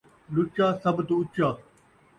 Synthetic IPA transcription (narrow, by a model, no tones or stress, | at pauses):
lʊt͡ʃaːsɐbt̪uʊt͡ʃaː